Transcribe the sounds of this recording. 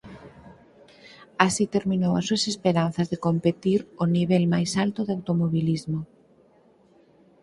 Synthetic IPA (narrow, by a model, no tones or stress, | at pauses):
asit̪eɾminowasːuasespeɾan̟θazðekompet̪iɾoniβɛlmajsalt̪oðawt̪omoβilizmo